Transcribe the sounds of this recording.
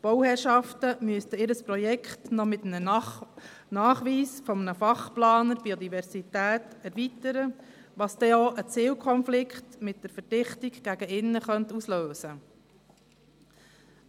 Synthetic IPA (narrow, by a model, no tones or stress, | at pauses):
b̥ɔwhɛːrʃɑftəmyəst̪əɪːɾəspɾɔjɛkχtnɔmɪt̪nə | nɑːχʋiːsfɔmnəfɑχplɑːnəɾbiod̪ivɛɾsitæːtɛɾvitəɾə | ʋɑːsd̥̪ɛoːʔət͡sɪːwkʰɔnflɪkχtmɪt̚d̥əɾfəɾd̥ɪχtɪɡɡ̥æɡəɪnːəχœntusløːsə